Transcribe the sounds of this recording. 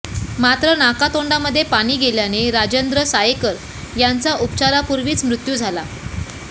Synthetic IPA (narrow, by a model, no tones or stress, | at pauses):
mat̪ɾənakat̪oɳɖaməd̪ʱːjepaɽ̃iːɡeljaneɾad͡ʑənd̪ɾəsajekəɾ | jant͡saʔupt͡ɕaɾapuɾʋiːt͡smɾut̪juːd͡zʱala